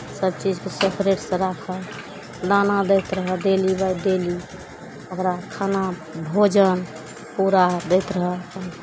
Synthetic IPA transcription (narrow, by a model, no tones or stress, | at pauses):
səb̚t͡ʃid͡ʒkesepʰɾeʈsə̃ɾakʰəl | d̪anad̪ɛjt̪ɾəɦəd̪elibajd̪eli | okɾakʰanabʱod͡ʒən | puɾad̪ɛjt̪ɾəɦəən